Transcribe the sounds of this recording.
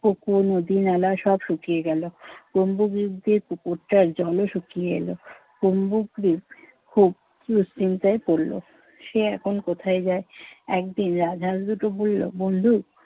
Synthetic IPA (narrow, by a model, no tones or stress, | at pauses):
okonod̪inalaʃɔbʃukieɡɛlokombuɡɾib̚d̪iɾpukoʈːaɾd͡ʑɔloʃukieḛlo̰ | ɡ̥ombuɡɾib̚ | kʰub̚ | ɾust͡ɕint̪ajpoɾlo̰ | ʃeɛkʰonkot̪ʰaed͡ʑaeɛkd̪inɾad͡ʑʱasd̪uʈobolːo̰bond̪ʱuk